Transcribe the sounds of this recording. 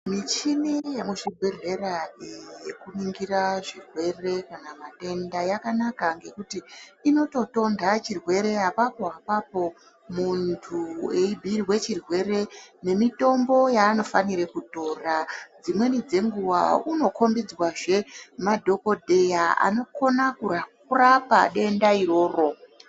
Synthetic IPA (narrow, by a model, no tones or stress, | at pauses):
mit͡ʃinijemuʐibʱe̞ɮe̞ɾaejekuniŋɡiɾaʐirwe̞re̞kanamate̞ndajakanakaŋɡe̞kutiːno̞to̞to̞ndat͡ʃirwe̞ɾe̞apapo̞ɦapapo̞ | muntʰueibʱiriwe̞t͡ʃirwe̞re̞ne̞mito̞mbo̞jaːno̞faniɾe̞kuto̞rad͡zimwe̞nid͡ze̞ŋɡuwa̰uno̞kʰo̞mbid͡zwaʐe̞madʱo̞ko̞dʱe̞jaa̰no̞ko̞nakukurapa̰ɗe̞ndaiɾo̞ːro̞